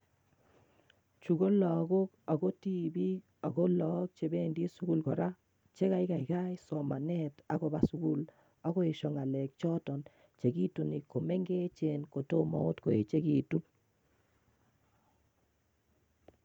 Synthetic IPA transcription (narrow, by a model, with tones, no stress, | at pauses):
t͡ʃu˨ɡo˦lɔ˨ɡo˦ka˨ɡo˦ti˦bi˦ | a˨ɡo˦lɔ˨˦k̚t͡ʃe˨be˦˨ndi˦su˦ɡu˦lkɔ˨ɾa˦ | t͡ʃe˦ka˨ɪ˦ka˨i˨ka˦jsɔ˨ma˨nɛ˦ta˨ko˨ba˨su˨ɡu˦l | a˦ɣo˦e˨ʃɔ˨ŋa˨lɛ˨k̚t͡ʃɔ˦tɔ˨n | t͡ʃe˨ɡi˦tu˨ni˨ko˨me˦ŋɡe˦t͡ʃenko˨to˦mɔ̰˨o˦tko˨e˨t͡ʃe˦ki˨tu˦n